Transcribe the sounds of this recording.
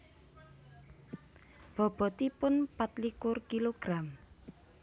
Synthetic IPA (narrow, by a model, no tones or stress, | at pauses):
b̥ɔ̤b̥ɔ̤t̪ipʊnpat̪likʊrkiloɡ̥ɾam